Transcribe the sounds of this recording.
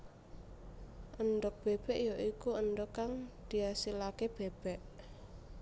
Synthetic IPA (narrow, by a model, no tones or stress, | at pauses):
ʔənd̪ɔk̚b̥eb̥ɛʔjoʔikuənd̪ɔkaŋd̪̥iasilakeb̥eb̥ɛʔ